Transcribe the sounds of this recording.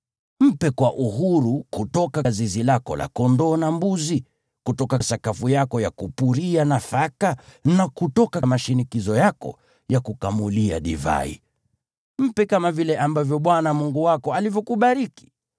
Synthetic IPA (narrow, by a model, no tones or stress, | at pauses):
m̩pɛkwaʔuɦuɾukutɔkazizilakɔ̰la̰kɔndɔːnambuzi | kutɔkasakafujakɔjakupuɾianafakanakutɔkamaʃinikizɔjakɔ̰ | jakukamulia̰ɗḭva̰ḭ | m̩pɛkamavilɛʔambavjɔɓwanamuŋɡuwakɔalivjɔkuɓaɾiki̥